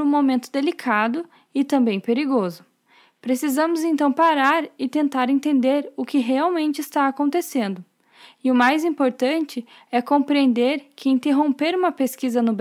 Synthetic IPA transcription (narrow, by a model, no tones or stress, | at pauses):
ũmomẽnt̪ʊd̪elikʰad̪ʊ | ɪt̪ɐ̃mbẽj̃peɾiɡozʊ | pɾesizɐ̃mʊzẽnt̪ɐ̃w̃paɾaɾɪt̪ẽnt̪aɾẽnt̪ẽnd̪eɾʊkɪɦeawmẽnt͡ʃɪist̪aakõnt̪esẽnd̪ʊ | ɪʊmajzĩpoɾt̪ɐ̃nt͡ʃɪ | ɛkõpɾiẽnd̪eɾkʰɪĩnt̪eɦõpeɾũmɐpeskizɐnʊb